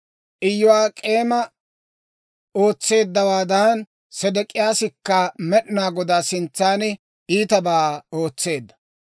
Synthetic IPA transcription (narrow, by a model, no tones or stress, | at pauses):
ʔɪjːɔwaːkʼe̞ːmɐ | o̞ːt͡sːe̞ːd̪ːɐwaːd̪aːn | sɛd̪ɛkʼːɪjaːsɪkːɐmɛɗɪnaːɡɔd̪aːsɪnt͡sːaːnɛ | iːt̪ɐbaːo̞ːt͡sːe̞ːd̪ːɐ̥